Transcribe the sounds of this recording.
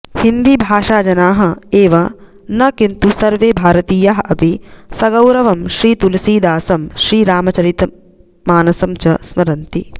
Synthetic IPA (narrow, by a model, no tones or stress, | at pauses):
hind̪ibʱaːʂaːd͡ʒɐnaːɦɐ̆eːʋɐ | nɐkint̪usɐɾʋeːbʱaːɾɐt̪iːjaɦɐʔɐpisɐɡɐwɾɐʋɐmʃɾiːt̪ulɐsiːd̪aːsɐmʃɾiːɾaːmɐt͡ʃɐɾit̪ | maːnɐsɐmt͡ʃɐsmɐɾɐnt̪i